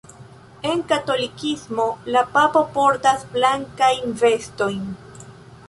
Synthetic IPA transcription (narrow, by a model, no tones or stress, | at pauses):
e̞nkato̞likismo̞lapapo̞poɾtasblaŋkajnve̞sto̞jn